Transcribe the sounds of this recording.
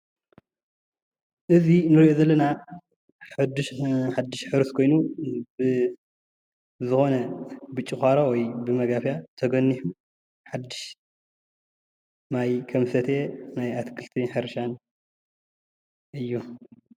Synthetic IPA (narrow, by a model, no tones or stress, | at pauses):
ʔɨzinɨɾiʔozɐlːɐna | ħɨd̪ːɨʃħad̪ːɨʃħɨɾɨskʰo̞jnubɨ | zɨxo̞nɐbɨt͡ʃʼːɨxʷaɾawɔjbɨmɐɡafjat̪ʰɐɡɐnːiħu | ħad̪ːɨʃ | majkʰɐmsɐt̪ʰenajat̪ʰkʰɨlt̪ʰinħɨɾʃan | ʔɨjːu